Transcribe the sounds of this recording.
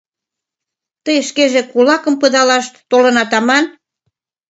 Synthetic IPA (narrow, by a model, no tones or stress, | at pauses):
t̪əjʃkeʒekulɑkə̆mpəd̪ɑlɑʃt̪t̪olənɑt̪ɑmɑn